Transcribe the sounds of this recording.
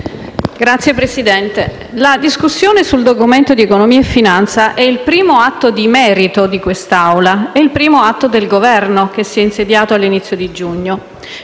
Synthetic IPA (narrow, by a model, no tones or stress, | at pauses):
ɡɾat̪sːjepɾesid̪ɛnt̪e | lad̪iskusːjoːnesuld̪okument̪od̪iekonomiːaefːinant̪saʔɛilpɾiːmoat̪ːod̪imɛːɾit̪od̪ikwest̪awlaeilpɾiːmoat̪ːod̪elɡovɛrnok̟esːiɛinsed̪jaːt̪oalːinit̪sːjod̪id͡ʒuɲːo